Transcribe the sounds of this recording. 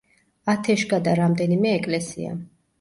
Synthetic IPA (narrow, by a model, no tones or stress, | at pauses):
at̪ʰɛʃɡad̪aɾamd̪ɛnimɛːkʼlɛsḭa̰